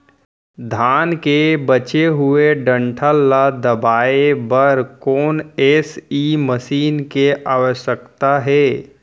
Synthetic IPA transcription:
d̪ʱaːnkebət͡ʃeɦʊeɖə̃ɳʈʰəlːad̪əbaːebəɾkɔːneːsiməʃiːnkeʔaːʋəʃjəkt̪aɦɛː

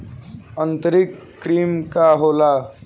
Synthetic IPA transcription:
ənt̪əɾikːɾiːmkaɦola

